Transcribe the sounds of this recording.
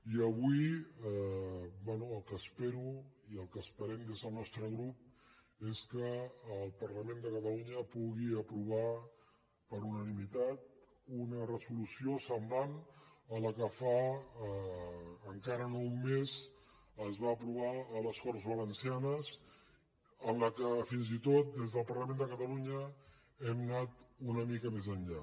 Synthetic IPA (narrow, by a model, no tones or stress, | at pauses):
iəβ̞ui | bwɛnuəlˠkəspeɾuiəlˠkəspəɾɛmd̪ezðəlˠnɔst̪ɾəɣɾup̚ | eskəːlˠpəɾləmend̪əkət̪əluɲəpuɣiəpɾuβ̞a | pəɾunənimit̪at̪̚ | unərəzulusiosəmblanələkəfa | ŋkaɾənoumːez | əzβaːpɾuβ̞aələskɔɾzβələnsianəz | ənləkəfinzit̪ot̪̚d̪ezð̞əlˠpəɾləmẽnd̪əkət̪əluɲə | ɛmnat̪unəmikəmezəɲʎa